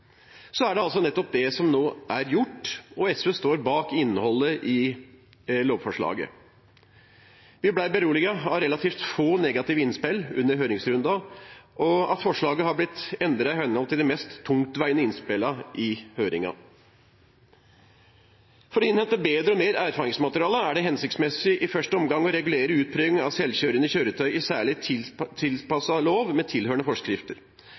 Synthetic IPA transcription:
sɔæɖɛɑls̬ɔnɛt̪ːɔp̚d̪ɛsɔmnoːʔæɾjʊʈːɔɛsøst̪oːɾbɑːkɪnːəhɔlːəʔɪ | loːʋfɔʂɭɑ̰ːɡə̰ | ʋɪblæɪbəɾuːlɪɡɑɑʋɾɛlɑt̪ʰiːft̪foːnɛːɡɑt̪ɪʋəɪnspɪlʉ̰nːəɾɦøːɾɪŋsɾʉnd̪ɑʔɔɑ̰t̪fɔʂɭɑːɡəhɑɾblɪt̪ɛnd̪ɾɑɪhɛnhɔlt̪ɪld̪ɛmɛst̪ʰːʊŋt̪ʋæɪənəɪnspɪlɑʔɪhøːɾɪŋɑ̰ | fɔɾɔɪnhɛnt̪əbeːd̪ɾəɔmeːɾæːɾfɑːɾɪŋsmɑt̪əɾɪɑːləæɖɛɦɛnsɪkt̪smɛsɪʔɪfœʂʈəɔmɡɑŋːɔɾɛɡʉleːɾəʉːt̪̚pʰɾœːʋɪŋɑ̰ʋsɛlçøːɾənəɪçøːɾət̪ʰœʏʔɪsæːɭɪt̪ʰɪlpɑsɑloːʋmɛt̪ʰɪlhøːəɳəfɔʂkɾɪft̪əɾ

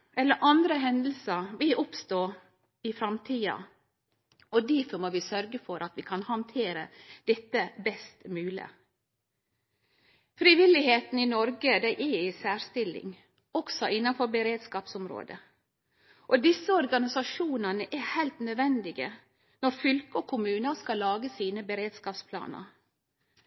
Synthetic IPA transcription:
ɛlːəɾʔɑnd̪ɾəɦɛnd̪l̩səʋɪlʔʊpst̪oː | ɪfɾɑmt̪ʰiːɑ̰ | ɔd̪æɾfɔɾmoːʋɪsœɾɡəfɔɾʔɑt̪ʋɪkʰɑnhɑnt̪ʰeːɾə̰d̪̥ɛt̪ːəbɛst̪mʉːlɪə̰ | fɾiʋɪlɪheːt̪n̩ɪnɔɾɡəd̪æɪʔɛɾɪsæːɾst̪ɪlːɪ̰ŋ | ɔksɔɪnːɑfɔɾbəɾeːd̪skɑːpsɔmɾo̰ːd̪ə̰ | ʔɔd̪ɪsːəɔɾɡɑnɪsɑʂuːnənəʔɛhæɪlt̪nœd̪ʋɛnd̪ɪɡə | nɔɾfʏlkəɔkʰʊmʉːnəskɑlːɑːɡəsiːnəbəɾeːd̪skɑːpspʰlɑ̰ːnə̰ɾ

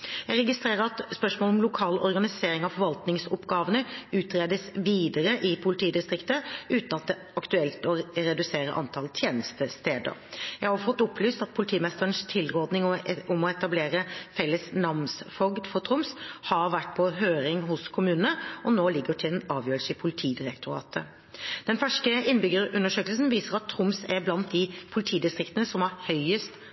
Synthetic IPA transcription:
jæɪɾɛɡɪst̪ɾeːʁəɾɑt̪spœʂmɔːlɔmlʊkʰɑːlɔ̰ɾɡɑnɪseːɾɪŋɑʋfɔɾʋɑlt̪nɪŋsɔpɡɑːʋənəʉːt̪ɾeːd̪əsʋiːd̪əɾəʔɪpʰʊlɪt̪ʰiːd̪ɪst̪ɾɪkt̪əʔʉːt̪nɑt̪̚d̪ɛ | ɑkt̪ʉɛlt̪ɔɾɛd̪ʉseːɾə̰ʔɑ̰nt̪ʰɑlt̪ʰjeːnəst̪əst̪eːd̪ə̰ɾjæɪhɑfɔt̪ːʊplyːst̪ɑt̪̚pʰʊlɪt̪ʰiːmɛst̪əɾənst̪ʰɪlːʁɔːd̪nɪŋɔʊmɔɛt̪ɑbleːɾəfɛlːəsnɑmsfɔɡd̪fɔt̪ʰɾʊmshɑɾʋæʈːpʰɔɦøːɾɪŋhʊskʰʊmʉːnənəɔnoːlɪɡːəʈʰɪlɛnɑːʋjøːɾəlsəɪpʰʊlɪt̪ʰiːd̪ɪɾɛkt̪ʰʊɾɑ̰ːt̪ʰə | d̪̥ɛnfæʂkəɪnːbʏɡəɾʉnːəʂøːkəlsn̩ʋiːsəʁɑt̪ʰːɾʊmsɛblɑnt̪̚d̪ɪpʰʊlɪt̪ʰiːd̪ɪst̪ʁɪkt̪ənəsɔmɑʁhœʏəst̪

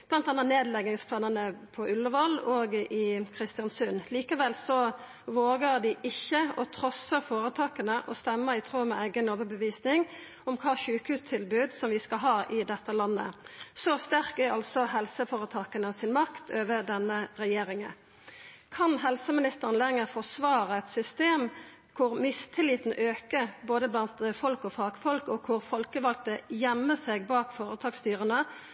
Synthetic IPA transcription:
b̥lɑnt̪ɑnːət̪neːd̪lɛɡɪŋspʰlɑːnənəpʰɔʔʉlːəʋɑloːɡɪkʰɾɪst̪ɪɑnsʉnliːkəʋɛlsɔ | ʋoːɡəʁd̪ɪʔɪçːəɔt̪ʰɾɔsəfoːɾət̪ʰɑːkənəʔɔst̪ɛmːəɪt̪ʰʁuːmɛæɪɡənoːʋəbəʋiːsnɪŋ | ɔmkʰɑːçʉːkhʉːst̪ʰɪlbʉːd̪sɔmʋɪskɑɦɑːʔɪd̪ɛt̪ːəlɑnːə̰sɔst̪æʁkæɑlsɔhɛlsəfɔːʁət̪ʰɑːkənəsɪnmɑkt̪ʰøːʋəd̪ɛnːəʁɛjeːɾɪŋən | kʰɑnɦɛlsəmɪnɪst̪əʁənlɛŋəfɔsʋɑːʁəɛt̪sʏst̪eːm | kʰʊʁmɪst̪ʰɪliːt̪n̩ʔøːkəboːd̪əblɑnt̪fɔlkɔfɑːɡfɔlkɔkʰːʊʁfɔlkəʋɑlk̚t̪əjɛmːəseːɡ̚bɑːkfoːɾət̪ʰɑːkst̪yːʁənə

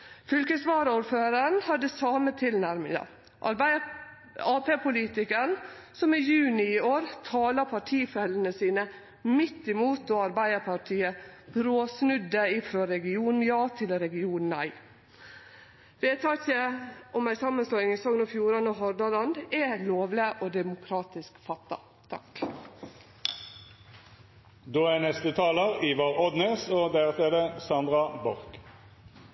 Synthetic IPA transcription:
fʏlkəsʋɑːɾəuːɾføːɾəɳhɑd̪əsɑːmət̪ʰɪlnæɾmɪŋɑ̰ | ʔɑɾbæɪ | ɑːpeːpʰʊliːt̪ɪkəɳ | sɔmɪjʉːnɪɪoːɾt̪ʰɑːlɑpʰɑʈʰiːfɛlənəsiːnə | mɪt̪ːɪmuːt̪̚d̪oːɑɾbæɪəpʰɑʈʰiːəb̥ɾoːsnʉd̪əɪfɾoːɾɛɡɪuːnn̩jɑːt̪ʰɪlɾɛɡɪuːnnæ̰ɪ | ʋeːt̪ʰɑkəʔɔmæɪsɑmːənsloːɪŋɪsɔŋnoːfjuːɾɑnoːɦɔɾd̪ɑlɑnd̪ɛloːʋləʔoːd̪ɛmʊkʰɾɑːt̪ɪskfɑt̪ːɑ̰ | t̪ʰɑ̰k | d̪oːæːnɛst̪ət̪ʰɑːləʁiːʋɑʁɔd̪neːsoːd̪æːʁt̪ʰed̪əsɑnd̪ʁɑbɔʁk

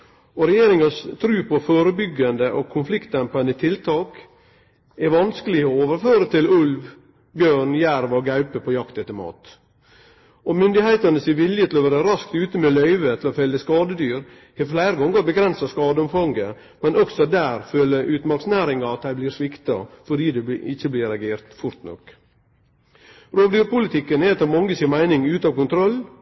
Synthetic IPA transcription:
ɔɾɛjeːɾɪŋɑst̪ʰɾʉːpʰɔfoːɾəbʏɡːɑnd̪əʔɔkʰːʊnflɪkt̪ɛmpɑnət̪ʰɪlt̪ʰɑːk | ɛɾʋɑnskəlɪəɔoːʋəɾføːɾət̪ʰɪlʉlʋ | bøːɳjæɾʋɔɡɑʉpəpʰɔjɑkt̪ɛt̪ːəmɑ̰ːt̪ | ɔmʏnd̪ɪhæɪt̪ɑnəsɪʋɪljət̪ʰɪlɔʋæːɾəɾɑskt̪ʉːt̪əmeːlœʏʋət̪ʰɪlɔfɛlːəskɑːd̪əd̪yːɾ | hɛflæɪɾəɡɔŋːəɾbəɡɾɛnsɑskɑːd̪əʊmfɑŋɡə | mɛnɔksɔd̪æːɾføːləʔʉːt̪mɑɾksnæːɾɪŋɑɑt̪̚d̪æɪbliːɾsʋɪkt̪ɑ̰fɔɖiːd̪ɛʔɪçəblɪɾɑɡeːɾt̪fʊɾt̪nɔ̰k | ɾoːʋd̪yːɾpʊlɪt̪ʰɪkːənɛɛt̪ɑːmɑŋɡəsɪnmæɪnɪŋʉːt̪ɑːʋkʊnt̪ʰɾɔlː

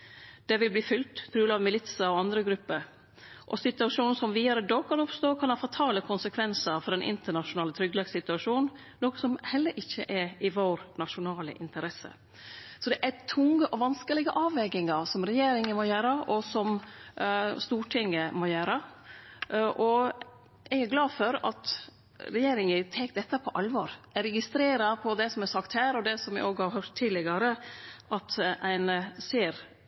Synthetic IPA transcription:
d̪̥ɛʋɪlbliːfʏlt̪pʰɾʉːlɑʋmɪlɪt̪səɔɑnd̪ɾəɡɾʉpːəɾ | ʔɔsɪt̪ʉɑʂuːnn̩sɔmʋiːd̪ɑɾəd̪oːkʰɑnɔpst̪oːkʰɑnhɑːfɑt̪ʰɑːləkʰʊnsəkʰʋɛnsəɾfɔd̪ɛnʔɪ̰nt̪əɳɑʂʊnɑːlət̪ʰɾʏɡlɑɡsɪt̪ʉɑʂuːnn̩ | noːkəsɔmhɛlːəɾʔɪçːə̰ʔɛɾɪʋoːɾnɑʃʊnɑːlə̰ʔɪnt̪əɾɛsə̰ | sɔd̪ɛʔæt̪ʰʊŋːəʔɔʋɑnskəlɪɡəʔɑːʋɛɡɪŋɑɾsɔmɾɛjeːɾɪŋəmoːjæːɾəʔɔsɔm | st̪uːʈʰɪŋːəmɔjøːɾə | ʔʔɔ | ʔɛɡæɾɡlɑːdfɔɾɑ̰t̪ | ɾɛjeːɾɪŋət̪ʰɛːkd̪ɛt̪ːəpʰɔʔɑlʋɔɾɛɾɛɡɪst̪ɾeːɾɑpʰɔd̪ɛsɔmæsɑkt̪hæːɾɔd̪ɛsɔmʋɪ̰ʔoːɡhɑɾɦœʈ̪ʰːiːd̪lɪɡɑɾəʔɑt̪ʔæɪnseːɾ

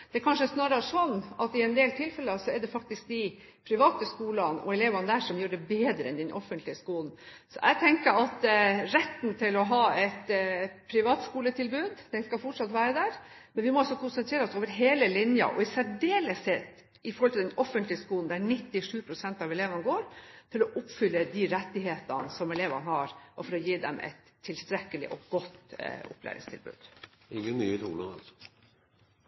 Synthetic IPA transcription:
d̪̥ɛkʰɑnʂəɛsnɑːɾɑəʂɔnːʔɑt̪ɪɛnd̪eːlt̪ʰɪlfɛlːəsɔɛɖɛfɑk̚t̪ɪsk̚d̪ɪ | pʰɾɪʋɑːt̪əskuːlɑnɔ̰ɛleːʋɑnəd̪æʂɔmjøːɖɛbeːd̪ɾəɛ̰nd̪ɛnʔɔfːənt̪lɪəskuːln̩sɔ̰ʔæ̰ɪt̪ʰɛŋkəɾɑt̪ɾɛt̪ːn̩t̪ʰɪlɔɦɑːɛt̪pʰɾɪʋɑːt̪skuːlət̪ʰɪlbʉːd̪d̪̥ɛnskɑfɔʈʂɑt̪ʋæːɾəd̪æɾ | mɛnʋɪmɔɑsɔkʰʊnsəɛnt̪ʰɾeːɾɔsoːʋəɾɦeːləlɪnjɑ̰ʔɔ̰ɪsæɖeːləsɛt̪ | ɪfɔɾhɔlt̪ɪd̪ɛnʔɔfːənt̪lɪəskuːln̩d̪æɾnɪt̪ːɪʂʉːpʰɾʊsɛnt̪ɑʋɛleːʋɑnəɡoːɾt̪ʰɪlɔʔʊpfʏlːəd̪ɪɾɛt̪ːɪɦeːt̪ənsɔmɛleːʋɑ̰nhɑɾɔfɔɾɔjiːd̪ɛ̰mʔɛ̰t̪ʰːɪlst̪ɾɛkːəlɪ̰ʔɔ̰ɡɔt̪ːʊ̰pʰlæ̰ɾɪ̰ŋst̪ʰɪ̰lbʉ̰ːd̪̥ | ɪŋːəmyːət̪ʰṵːləɑ̰lsɔ̥

